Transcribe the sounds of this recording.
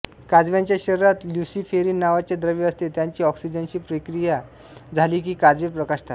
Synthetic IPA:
kad͡zʋjaɲt͡ɕjaɕəɾɾat̪ljusifeɾiːnːaʋat͡ɕjad̪ɾəʋiəst̪et̪jaɲt͡ɕiːɔksid͡ʑənɕiːpɾekɾija | d͡zʱaliːk̬iːkad͡zʋepɾəkaɕt̪at̪

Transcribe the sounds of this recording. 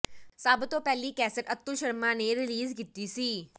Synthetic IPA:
saːbt̪õːpɛːliːkɛːsəʈət̪ːʊlʃəɾmãːneːɾɪliːzkit̪ːiːsiː

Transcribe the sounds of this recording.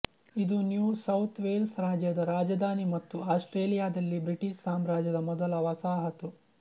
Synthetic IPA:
id̪unjuːsɐwt̪ʰʋeːlsɾaːd͡ʒjɐd̪ɐɾaːd͡ʒɐd̪ʱaːnimɐt̪ːuaːsʈɾeːlijaːd̪ɐlːibɾiʈiʃsaːmɾaːd͡ʒjɐd̪ɐmɔd̪ɐlɐʋɐsaːɦɐt̪u

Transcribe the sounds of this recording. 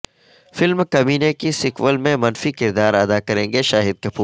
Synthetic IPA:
fɪlmkɐbiːnekisɪkʋəlmẽmɐnfikɪɾd̪aːɾɐd̪akɐɾẽːŋɡeʃaːɦɪd̪̚kɐpuːɾ

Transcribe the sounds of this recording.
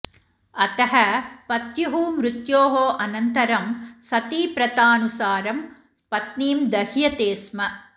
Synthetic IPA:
ɐt̪ɐɦɐpɐt̪jɐɦumɾut̪joːɦoːʔɐnɐnt̪ɐɾɐmsɐt̪iːpɾɐt̪aːnusaːɾɐm | pɐt̪niːmd̪ɐɦjɐt̪eːsmɐ

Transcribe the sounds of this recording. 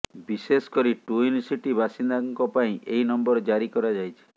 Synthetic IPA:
biseskɔɾiʈuunsiʈibʱasind̪aŋkɔpaĩʔejnɔmbɔɾd͡ʒaɾikɔɾad͡ʒajt͡ʃʰi̥

